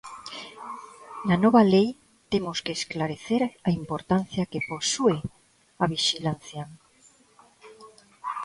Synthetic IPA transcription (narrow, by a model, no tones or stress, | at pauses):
nanoβalej | t̪emoskeːsklaɾeθeɾaimpoɾt̪an̟θjakeposue | aβ̞iʃilan̟θja